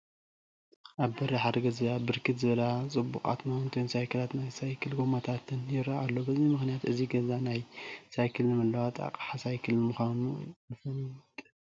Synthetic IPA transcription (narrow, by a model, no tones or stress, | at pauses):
ʔaβbɐɾiħad̪ɐɡɐzabɨɾkʰɨt̪zɨβɐlat͡sʼɨbːukʼa̰t̪mawnt̪ʰojnsajkʰɨlat̪najsajkʰɨlɡomot̪ʰat̪ʰɨnjɪɾaʔalːo̞bɐzimɨxnijat̪ʔɨziɡɐzanajsajkʰɨlɨmɐlːawat̪ʼa̰kʼħasajkʰɨlmɨxʷanujɨfɐnit̪ʼ